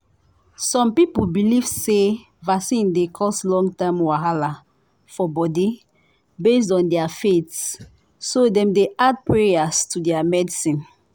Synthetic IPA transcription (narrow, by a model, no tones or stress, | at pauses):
sɔ̃mpipulbilivse | vasĩndekʰɔstlɔ̃ŋɡtãmwaɦala | fɔbɔdi | bes̬dɔ̃ndɛafetsː | odɛ̃mdead̚pɹeastudɛamɛdisĩn